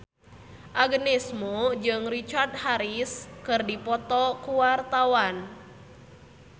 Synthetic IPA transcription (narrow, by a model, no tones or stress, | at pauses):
ʔaɡənɛsmod͡ʒɨŋrit͡ʃard̪̚haɾiskɨrdipɔt̪ɔkuwart̪awan